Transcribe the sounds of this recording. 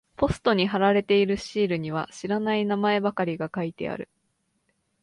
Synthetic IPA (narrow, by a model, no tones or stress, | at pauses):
po̞sɨ̥t̪o̞ɲ̟iɦaɾaɾe̞t̪e̞iɾɯ̟ɕiːɾɯ̟ɲ̟iβ̞a̰ɕiɾanainamae̞bakaɾʲiɡakait̪e̞̰a̰ɾɯ̟̰